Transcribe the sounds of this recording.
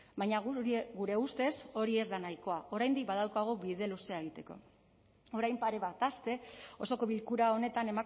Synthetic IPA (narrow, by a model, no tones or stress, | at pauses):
baɲaɣuɾe̞ust̪e̞so̞ɾie̞zd̪anajko̞aʔo̞ɾajnd̪ik̚baðawkaɣ̞o̞βiðe̞luse̞ae̞ɣ̞it̪e̞ko̞̰ | o̞ɾajmpaɾe̞βat̪ast̪e̞o̞so̞ko̞βilkuɾao̞ne̞t̪ane̞ma